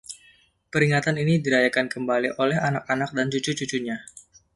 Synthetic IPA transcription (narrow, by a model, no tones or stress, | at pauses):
pəɾiŋat̪aninidiɾajakankəmbaliʔolɛɦanak̚anak̚dant͡ʃut͡ʃut͡ʃut͡ʃuɲa